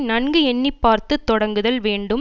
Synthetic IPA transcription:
nɐnɡɯɛnːɪpːaːɾt̪ɯt̪ːɔɽɐŋɡɯðɐlʋeːɳɖɯ

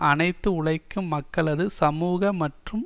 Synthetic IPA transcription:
ʔɐnɐɪt̪ːɯʊɽɐɪkːɯmːɐkːɐɭɐðɯsɐmuːɣɐmɐʈrɯm

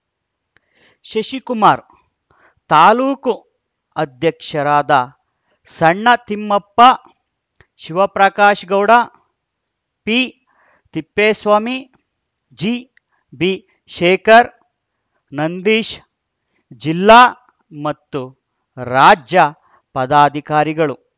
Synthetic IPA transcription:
ʃɐʃikumaːɾ | t̪aːluːku | ɐd̪jɐkʂɐɾaːd̪ɐ | sɐɳːɐt̪imːɐpːɐ | ʃiʋɐpɾɐkaːʃɡɐwɽa | piː | t̪ipːeːsʋaːmi | d͡ʒiː | bi | ʃeːkɐɾ | nɐnd̪iːʃ | d͡ʒilːaː | mɐt̪ːu | ɾaːd͡ʒjɐ | pɐd̪aːd̪ʱikaːɾiɡɐɭu

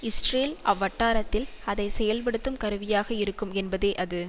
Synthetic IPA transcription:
ɪsʈreːlʔɐʋːɐʈːaːɾɐt̪ːɪl | ɐðɐɪsɛjɐlp̬ɐɽɯt̪ːɯmkɐɾɯʋɪjaːɣɐɪɾɯkːɯmɛnbɐðeːʔɐðɯ

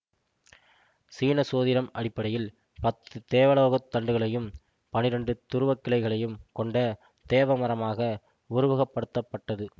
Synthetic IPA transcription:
siːnɐsoːðɪɾɐmɐɽɪpːɐɽɐjɪl | pɐt̪ːɯt̪eːʋɐɭoːɣɐt̪ːɐɳɖɯɣɐɭɐjɯm | pɐnɪɾɐɳɖɯt̪ʊɾɯʋɐkːɪɭɐɪɣɐɭɐjɯmkɔɳɖɐ | t̪eːʋɐmɐɾɐmaːɣɐ | ʊɾʊʋɐɣɐpːɐɽɯt̪ːɐpːɐʈːɐðɯ

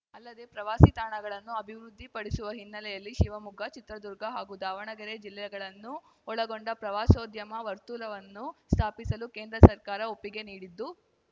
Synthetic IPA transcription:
ɐlːɐd̪e̞pɾɐʋaːsit̪aːɳɐɡɐɭɐnːuɐbʱiʋɾud̪ʱːipɐɽisuʋɐɦinːɐlɛjɐlːiʃiʋɐmuɡʱɐt͡ʃit̪ɾɐd̪uɾɡʱɐɦaːɡud̪aːʋɐɳɐɡɐɾed͡ʒilːɛjɐɡɐɭɐnːu | ɔɭɐɡoɳɖɐpɾɐʋaːsoːd̪jɐmɐʋɐɾt̪uːlɐʋɐnːust̪ʰaːpisɐlukeːnd̪ɾɐsɐɾkaːɾɐopːiɡe̞niːɽid̪ːu

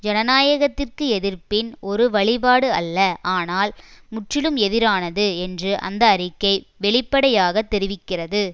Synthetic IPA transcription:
d͡ʒɛnɐnaːjɐɣɐt̪ːɪrkɯɛðɪrpɪnɔɾɯʋɐɭɪpaːɽɯɐ̰lːɐʔaːnaːlmʊʈrɪlɯmɛðɪɾaːnɐðɯɛndrɯʔɐ̰nd̪ɐːrɪkːɐɪ | ʋɛɭɪpːɐɽɐjaːɣɐt̪ːɛɾɪʋɪkːɪrɐðɯ

